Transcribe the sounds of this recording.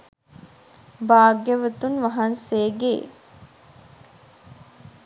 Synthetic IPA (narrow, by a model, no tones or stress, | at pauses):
baːɡjəʋət̪unʋaɦanseːɡeː